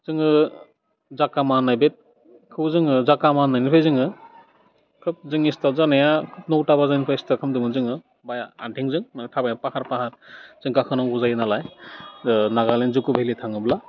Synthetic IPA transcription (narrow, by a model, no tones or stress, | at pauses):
z̥ɯŋɯ | zakamanːajbet̚ | kʰɯwzɯŋɯzakamanːajnipʰajzɯŋɯ | kʰɯp̚zɯŋistazanajakʰɯp̚nowtabazanipʰajistakʰɯmdɯmɯzɯŋɯ | bajaa̰ntʰiŋzɯŋmatʰabajapahaɾpahaɾz̥ɯŋkakʰɯnawuzajɯnalaj | naɣalenzukɯbʱelitʰaŋɯbla